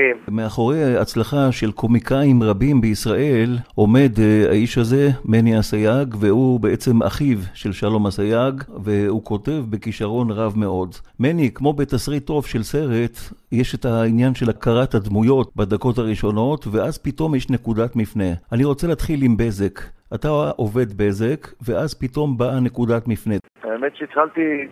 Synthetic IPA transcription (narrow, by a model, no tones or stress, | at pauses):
kemmeaχo̞ʁeat͡slaχaʃelkʰo̞mikaimʁabimbeisʁaʔe̞lo̞me̞da̰iʃaze̞meniasajaɡvehubeet͡se̞mʔa̰χivʃelʃalo̞masajaɡveuko̞te̞vbe̞kiʃaʁo̞nʁavme̞ʔo̞dmenikmo̞betasʁit̪ːo̞vʃelse̞ʁe̞tjeʃetainjanʃelakaʁathadmujo̞tbadako̞thaʁiʃo̞no̞tveʔazpito̞mjeʃne̞kudatmifne̞aniʁo̞t͡seleːt̪χilimbe̞ze̞kataʔo̞ve̞dbe̞ze̞kveʔazpito̞mbane̞kudatmifne | aemet̪ʃeit̪χalt̪i